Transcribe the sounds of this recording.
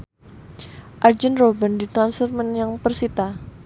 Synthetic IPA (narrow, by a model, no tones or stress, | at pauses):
ʔard͡ʒənrobəndit̪ɾansfɔrmənjaŋpərsit̪a